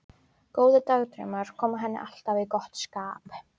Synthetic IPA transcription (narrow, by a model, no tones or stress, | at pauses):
ɡ̥owðəd̪awd̪rɪ̰mar̥kʰɔmaɦɛna̰ɬt̪aviɡɔht̪skaːp